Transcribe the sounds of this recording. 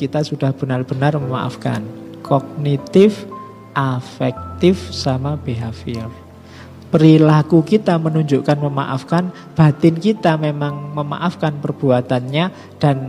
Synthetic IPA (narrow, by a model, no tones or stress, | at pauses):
kit̪asud̥ahb̥ənarb̥ənarməma̰ʔa̰fka̰nkʰɔɡ̚nit̪ɪf | ʔafɛk̚t̪ɪfsamab̥eɦafɪl | pəɾilakukit̪amənuɲd͡ʒuʔkanməma̰ʔafkan | b̥at̪ɪnkit̪amemaŋməma̰ʔafkanpərb̥uat̪anɲa | d̥an